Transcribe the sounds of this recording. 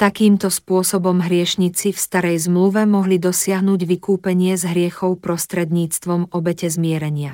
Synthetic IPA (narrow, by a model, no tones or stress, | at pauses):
t̪akiːmt̪ɔspʊɔsɔbɔmɦɾɪɛʃɲit͡sifst̪aɾɛjzmluʋɛmɔɦlid̪ɔsɪaɦnuːɟʋikuːpɛɲɪɛzɦɾɪɛxɔʊpɾɔst̪ɾɛd̪ɲiːt͡st̪ʋɔmɔbɛcɛzmɪɛɾɛɲɪa